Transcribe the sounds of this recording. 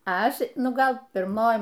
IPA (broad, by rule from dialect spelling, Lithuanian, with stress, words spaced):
ˈɐʃ ˈnʊ ˈɡɐlˠ pʲɪrˈmoːj